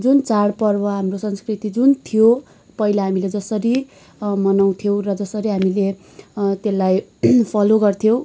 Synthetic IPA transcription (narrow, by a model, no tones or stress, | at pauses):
d͡zunt͡saɽpʌrbʌɦamrosʌnskrit̪id͡zunt̪ʰijo | pʌɦilaɦamiled͡zʌsʌɾi | mʌnaw̃t̪ʰjow̃rʌd͡zʌsʌɾiɦamile | t̪elːajpʰʌloɡʌrt̪ʰijõw̃